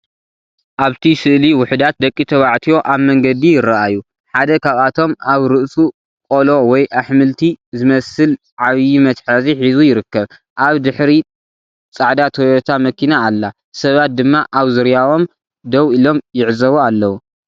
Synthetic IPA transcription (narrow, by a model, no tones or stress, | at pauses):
ʔaβt̪ʰisɨʔliwʊħd̪at̪̚d̪ɐkʼːit̪ʰɐβaʕt̪ʰiwo̞ʔaβmɐŋɡɐd̪ijɪraʔajːu | ħad̪ɐkʰaβat̪ʰo̞maβɾɨʔsu | kʼolo̞wɔjʔaħmɨlt̪ʰizɨmɐsɨl | ʕaβjimɐt̪ħaziħizujɪɾɨkːɐβ | ʔaβd̪ɨħɾi | t͡sʼaʕd̪at̪ʰojot̪ʰamɐkʰinaːlːa | sɐβat̪̚d̪ɨmːaʔaβzɨɾjao̞m | d̪ɐwilo̞mjɪʕzɐβoalːɐwu